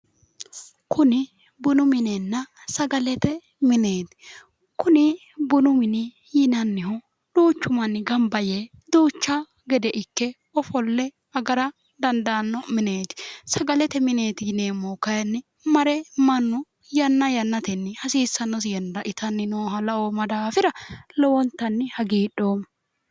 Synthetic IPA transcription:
kʰʊnɪ | bʊnʊmɪnɛnːɐsɐɡɐlɛt̪ɛ | mɪneːt̪ɪ̥ | kʊnɪ | bʊnʊmɪnɪ | jɪnɐnːɪhʊ | d̪̥oːt͡ʃːʊmɐnːɪɡɐmbɐje | d̪oːt͡ʃːa | ɡɛd̪ɛʔɪkːɛ | ɔfɔlːɛ | ɐɡɐɾɐ | d̪ɐnd̪ɐnːɔmɪneːt̪ɪ̥sɐɡɐlɛt̪ɛmɪneːt̪ɪneːmːokɐjɐnːɪ | mɐɾɛmɐnːʊ | jɐnːɐjɐnːɐt̪ɛnːɪhɐsiːsːɐnːɔsɪjɛndɐʔɪt̪ɐnːɪnoːɦɐlɐoːmɐd̪aːfɪɾɐlɔwɔnt̪ːɐnːɪhɐɡiːɗoːm

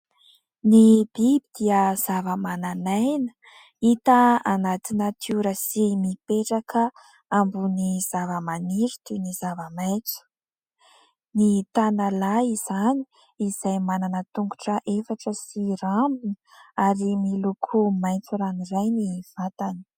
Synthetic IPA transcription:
nib̥ibid̪̥iəz̥avəmananajnə̥ | it̪əanat̪inət̪ʰiuɾəsimipeʈ͡ʂakʰə | ambuniz̥avəmaniɾit̪unizavəmajnt͡sə̥ | nit̪analaiz̥ani̥ | iz̥ajmananət̪uŋɡuʈ͡ʂəʔefaʈ͡ʂəsiɾambinə | aɾimilukʰumajnt͡suɾanirajniv̥at̪ani̥

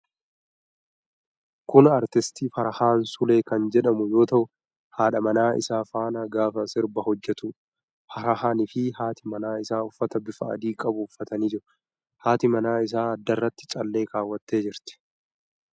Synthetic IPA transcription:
kʊnɐɾt̪ɪst̪iːfɐɾɐhaːnsʊle̞ːkɐnd͡ʒɛᶑɐmʊjo̞ːt̪ɐʔʊ | haːᶑɐmɐnaːʔɪ̰saːfaːnɐɡaːfɐsɪɾbɐhɔd͡ʒːɛt̪ʊ | fɐɾɐhaːnɪfɪhaːt̪ʰɪmɐnaːɪsaːʊfːɐt̪ɐbɪfɐ̰ɐ̰d̪iːkʼɐbʊːfːɐt̪ɐniːd͡ʒɪɾʊ | haːt̪ɪmɐnaːɪs̬aːɐd̪ːɐrːɐt̪ːɪ̥t͡ʃʼɐlːeːkaːwːɐt̪ːe̞ːd͡ʒɪɾt̪ɪ̥

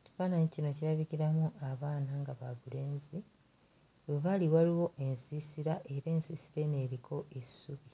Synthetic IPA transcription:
tu̥faːnaɲicino̞ciɾaβiciɾamuʔaβaːnaŋɡaβaβule̞ːnzi | βeβaliwaliwo̞ʔe̞nsisiɾaʔe̞ɾe̞ːnsisiɾe̞ne̞ːɾikʰo̞ʔesuβi

